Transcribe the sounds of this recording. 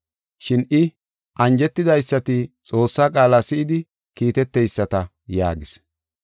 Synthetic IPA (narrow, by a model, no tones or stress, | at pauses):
ʃɪnʔɪ | ʔɐnd͡ʒɛt̪ːɪd̪ɐjsːɐt̪ɪt͡sʼo̞ːsːaːkʼaːlaːsɪʔɪd̪ɪ | kiːt̪ɛt̪ːɛjsːɐt̪ɐ | ja̰ːɡɪs